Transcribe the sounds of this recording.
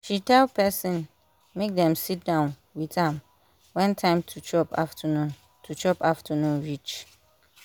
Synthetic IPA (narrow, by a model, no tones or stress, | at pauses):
ʃitʰɛlpʰɛsĩn | mek̚dɛ̃msit̚dãʊ̃n | withɛ̃m | wɛ̃ntʰãɪ̃mtʰut͡ʃʰɔpʰa̰ftʰənũn | tʰut͡ʃʰɔpaftʰənũnɹit͡ʃ